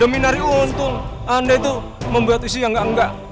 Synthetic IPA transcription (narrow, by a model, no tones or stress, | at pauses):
dominaɾiunt̪ʊŋ | andait̪u | məmbuat̪isijaŋɡaʔəŋɡaʔ